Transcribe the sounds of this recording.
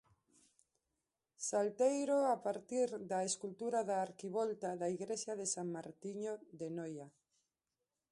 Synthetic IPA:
salt̪ejɾoapaɾt̪iɾðaeskult̪uɾaðaːɾkiβɔlt̪aðaiɣɾesjaðesaŋmaɾt̪iɲoðenoja

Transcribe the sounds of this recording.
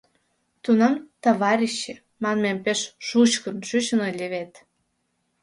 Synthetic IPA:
t̪unɑmt̪ɑβɑɾʲiɕːe | mɑnmempeʃʃut͡ɕkə̆nʃyt͡ɕə̆nolʲeβet̪

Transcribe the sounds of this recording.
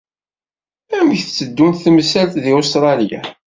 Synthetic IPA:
æməçθt͡sːəd̪ːunt̪θmsælt̪ðiʊst̪ɾˤɑljæ̰

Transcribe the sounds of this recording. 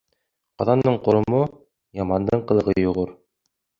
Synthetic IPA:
qɑðɑnd̪ɤɴqŏɾŏmo | jɑmɑnd̪ɤɴqɤ̆lˠɤ̆ʁɤjŏʁɤɾ

